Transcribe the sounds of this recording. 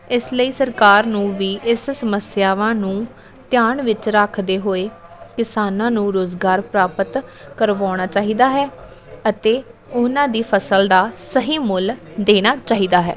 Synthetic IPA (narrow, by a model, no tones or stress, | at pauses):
ɪsləiːsəɾkaːɾnũːʋiːʔɪssəməsjaːʋãːnũː | t̪ɪjaːɳʋɪt͡ʃɾaːkʰd̪eːɦoːeːkɪsaːnãːnũːɾoːzɡaːɾpɾaːpət̪kəɾʋaːɽ̃aːt͡ʃaːɦiːd̪aːɦɛː | ət̪eːʊnãːd̪iːpʰəsəld̪aːsəɦiːmʊld̪eːñaːt͡ʃaːɦiːd̪aːɦɛ̰ː